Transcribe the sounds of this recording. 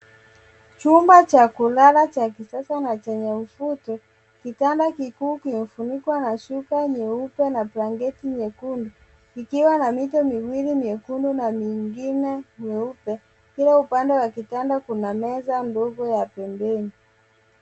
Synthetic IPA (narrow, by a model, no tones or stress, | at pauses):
t͡ʃumbat͡ʃakulalat͡ʃakisasanat͡ʃɛɲɛm̩futɔ | kitandakikuːkim̩funikwanaʃukaɲɛupɛnapɾaŋɡɛtiɲɛkundu | ikiwanamitɔmiwilimiɛkundunamiŋɡinɛɲɛupɛ | kiɾaupandɛwakitandakunamɛzandɔɡɔjapɛmbɛni